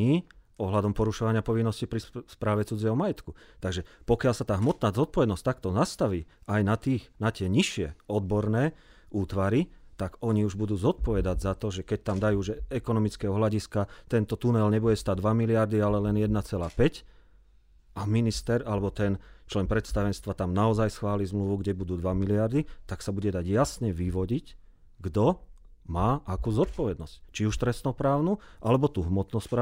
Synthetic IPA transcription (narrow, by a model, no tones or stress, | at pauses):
iː | ɔɦlad̪ɔmpɔɾuʃɔʋaɲɪapɔʋinːɔscipɾispɾaːʋɛt͡sud͡ziɪɦɔmajɛt̪kut̪aɡʒɛpɔkɪalsat̪aːɦmɔt̪naːzɔt̪̚pɔʋɛd̪nɔs̚t̪akt̪ɔnast̪aʋiːʔajnat̪iːxnat̪ɪɛɲiʃɪɛɔd̪̚bɔɾnɛːʔuːt̪ʋaɾit̪aɡɔɲiuʒbud̪uːzɔt̪̚pɔʋɛd̪aɟzat̪ɔʒɛkɛc̚t̪amd̪ajuːʒɛɛkɔnɔmit͡skɛɦɔɦlaɟiskat̪ɛnt̪ɔt̪unɛlɲɛbuɛst̪ad̪ʋamilɪaɾd̪ialɛlɛnjɛd̪nat͡sɛlaːpɛc | ʔaminist̪ɛɾalɛbɔt̪ɛnt͡ʃlɛnpɾɛt̪st̪aʋɛnst̪ʋat̪amnaɔzajsxʋaːlizmluʋuɡɟɛbud̪uːd̪ʋamilɪaɾd̪it̪aksabuɟɛd̪aɟjasɲɛʋiʋɔɟic | ɡd̪ɔ | maːʔakuzɔt̪̚pɔʋɛd̪nɔsct͡ʃiuʃt̪ɾɛst̪nɔpɾaːʊnuʔalɛbɔt̪uɦmɔt̪nɔspɾa